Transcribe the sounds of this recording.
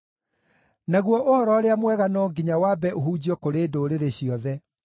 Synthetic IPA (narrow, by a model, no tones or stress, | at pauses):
naɣwɔʔohɔɾɔɾeamwɛɣanɔːɡiɲawabɛoɦuːd͡ʑiɔkoɾeːdoːɾeɾeɕiɔðɛ